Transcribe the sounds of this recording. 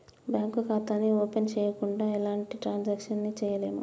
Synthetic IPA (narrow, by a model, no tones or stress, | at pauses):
bjaːŋkukaːt̪aːnioːpent͡ʃɛːjɐkuɳɖaːilaːɳʈiʈɾaːnd͡ʒaːkʂɐnːit͡ʃɛːjɐleːnṵ